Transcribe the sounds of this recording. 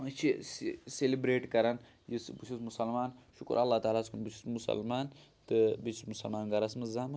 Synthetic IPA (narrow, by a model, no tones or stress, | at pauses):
t͡ʃʰisselibɾeːʈkɐɾɐn | jisbɨt͡ʃʰismusɐlmaːnʃukṵɾʔɐlːaːt̪aːlaːskʰunbit͡ʃʰu̥smusɐ̰lmaːnt̪ɨbit͡ʃʰismusɐlmaːnɡɐɾɐsmɐzaːmɐ